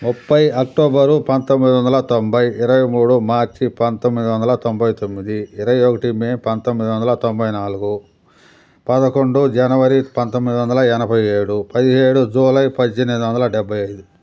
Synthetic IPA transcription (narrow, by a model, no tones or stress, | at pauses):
mupːɐjɐkʈoːbɐɾupɐnt̪omːid̪iʋɐnd̪ɐlɐt̪ombɐjɪɾɐʋɐjmuːɽumaːɾt͡ʃipɐnt̪omːid̪iʋɐnd̪ɐlɐt̪ombɐjt̪omːid̪iːɾɐʋɐjokɐʈimeːnpɐnt̪omːid̪iʋɐnd̪ɐlɐt̪o̞mbɐjnaːluɡu | pɐd̪ɐko̞ɳɖud͡ʒɐnɐʋɐɾipɐnt̪omːid̪iʋɐnd̪ɐlɐɛnɐbʱɐje̞ːɽupɐd̪iɦe̞ːɽud͡ʒuːlɐjpɐd̪id͡ʒenɐnd̪uʋɐnd̪ɐlɐɖɛbʱːɐjɐjd̪u